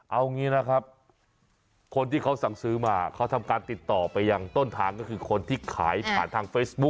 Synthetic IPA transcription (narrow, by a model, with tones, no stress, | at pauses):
ʔa˧wŋiː˦˥na˦˥kʰa˦˥p̚ | kʰo˧nt̪ʰiː˥˩kʰa˦˥wsa˨˩ŋsɯː˦˥maː˧kʰa˦˥wt̪ʰa˧mkaː˧nt̪i˨˩t̪ːɔː˨˩pa˧jːa˧ŋt̪o˥˩nt̪ʰaː˧ŋkɔː˥˩kʰɯː˧kʰo˧nt̪ʰiː˥˩kʰaː˩˦jpʰa̰ː˨˩nt̪ʰaː˧ŋfeː˦˥sbu˦˥k̚